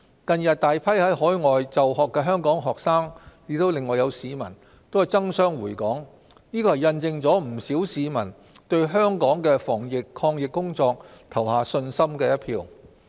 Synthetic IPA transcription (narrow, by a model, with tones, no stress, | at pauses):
kɐ˧njɐ˨t̚t̪aː˨jpʰɐ˥jhɐ˨˥jɦɔː˨˥jŋɔː˨jt͡sɐ˨wɦɔː˨kːɛː˧ɦœː˥ŋkɔː˨˥ŋɦɔː˨k̚saː˥ŋjɪ˨˥t̪o˥wlɪ˨ŋːɔː˨jɐ˨˧wsiː˨˧mɐ̰˨˩n | t̪o˥whɐ˨˩jt͡sɐ˥ŋsœː˥ŋwuː˨˩jkɔː˨˥ŋ | niː˥kɔː˧hɐ˨˩jɐ˧nt͡sɪ˧ŋt͡sɔː˨˥m̩˨˩siː˨˥wsiː˨˧mɐ˨˩n | t̪ɵ˧ɥɦœː˥ŋkɔː˨˥ŋkɛː˧fɔː˨˩ŋjɪ˨kʰɔː˧ŋjɪ˨kːʊ˥ŋt͡sɔː˧k̚t̪ʰɐ˨˩whaː˨sɵ˧nsɐ˥mkɛː˧jɐ˥t̚pʰiː˧w